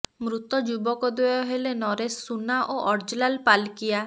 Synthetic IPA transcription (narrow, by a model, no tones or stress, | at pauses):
mɾut̪ɔd͡ʒubɔkɔd̪eɔɦelenɔɾesːunaʔoʔɔɾd͡ʒlalpalkija